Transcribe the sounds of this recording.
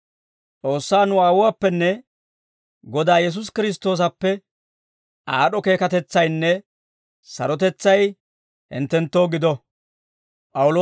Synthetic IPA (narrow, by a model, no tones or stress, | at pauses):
t͡sʼo̞ːsːaːnʊwaːwʊwaːpːɛnːɛ | ɡɔd̪aːjɛs̬ʊs̬kɪɾɪs̬t̪o̞ːs̬ɐpːɛ | aːɗɔke̞ːkɐt̪ɛt͡sːɐjnːɛ | sɐ̰ɾɔt̪ɛt͡sːɐj | hɪ̰nt̪ːɛnt̪ːo̞ːɡɪd̪ɔ | pʼɐwʊloː